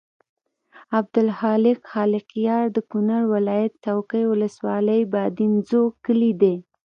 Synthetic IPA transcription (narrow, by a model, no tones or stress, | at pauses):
ab̚d̪ʊlhɑlɪqxɑlɪqjɑɾd̪əkʊnaɽwɪlɑjat̪̚t͡ʃawkəjwʊləswɑləjbɑd̪inzokəlid̪e